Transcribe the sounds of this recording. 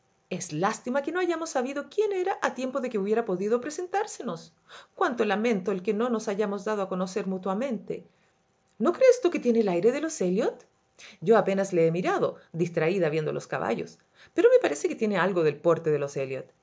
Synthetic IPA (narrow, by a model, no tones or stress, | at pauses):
eslast̪imakenoaʝamosːaβiðo̞kje̞ne̞ɾaʔat̪je̞mpoðekeuβje̞ɾapo̞ðiðopɾese̞nt̪aɾseno̞s | kwant̪olamẽ̞nt̪oelkeno̞no̞saʝamozðað̞oako̞no̞seɾmut̪wamẽ̞nt̪ḛ | no̞kɾeːst̪uket̪jeneːlajɾeðeloseljot̪ | ɟ͡ʝo̞ape̞nasleemiɾaðo̰ðist̪ɾaiðaβjend̪olʔoska̰βa̰ʝos | peɾome̞paɾe̞seket̪jenealɣoðe̞lpo̞ɾt̪eðeloseljo̰t̪̚